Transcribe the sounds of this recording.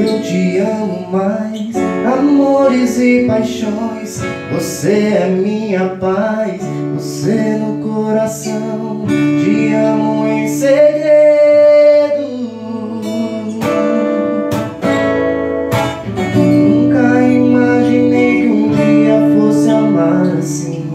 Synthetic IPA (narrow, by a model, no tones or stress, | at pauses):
t͡ʃiɐ̃mʊmajsamoɾɪzɪpajʃõj̃s | voseɛmĩɲɐpajs | vosenʊkoɾasɐ̃w̃d͡ʒiɐ̃muẽj̃seʎe | d̪u | nũkɐimaʒĩnejkũiɐfosɐmasĩ